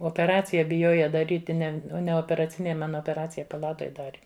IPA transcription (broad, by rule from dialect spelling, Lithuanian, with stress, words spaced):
oːpʲɛˈrɑːt͡sʲɪjɛ bʲɪˈjoːjɛ dɐˈrʲiːtʲɪ ˈnʲɛ nʲɛ oːpʲɛrɐˈt͡sʲɪnʲeːj ˈmɐn oːpʲɛˈrɑːt͡sʲɪjɛ pɐˈlˠɑːtoːj ˈdɑːrʲɪ